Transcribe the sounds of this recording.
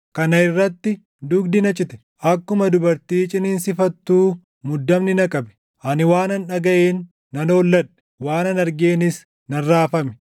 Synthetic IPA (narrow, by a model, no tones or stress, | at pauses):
kɐnɐɪrːɐt̪ːɪ | d̪ʊɡd̪ɪnɐt͡ʃʼɪt̪ɛ̥ | ʔɐkːʊmɐd̪ʊbɐɾt̪iːt͡ʃʼɪnɪnsɪfɐt̪ːuː | mʊd̪ːɐmnɪnɐkʼɐbɛ̥ | ʔɐnɪwaːnɐnᶑɐɡɐʔeːnː | ɐnoːlːɐᶑɛ̥ | waːnɐnɐɾɡeːnɪs | nɐrːaːfɐmɛ̥